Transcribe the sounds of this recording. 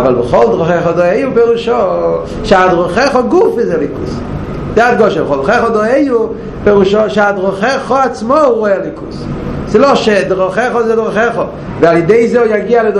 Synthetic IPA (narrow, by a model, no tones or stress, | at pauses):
valˠbɪχɔlˠdʁɔχɛχɔdɔeɪupeɾuʃɔ | ʃadʁɔχɛχɔɡufɪzɛlikṵs | datɡɔʃɛbɪχɔlˠdχɛχɔdɔeɪu | peʁuʃɔʃadʁɔχɛχɔat͡smɔʁoɛlˠikussɪlɔʃɛdɪʁɔχɛχɔzɪdʁɔχɛχɔ | valˠɪdeɪzojaɡialɪd